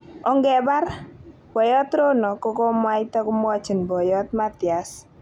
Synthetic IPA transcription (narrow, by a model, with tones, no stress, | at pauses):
ɔ˨ŋɡɛ˨ba˦ɾ | b̥ɔ˨jɔ˦t̪ɾo˦nɔ˨kɔ˦kɔ˦m˦a˦jt̪ɔ˦ku˦m˦ɔ˦t͡ʃi˨nbɔ˨jɔ˦t̪̚ma˦t̪ja˨s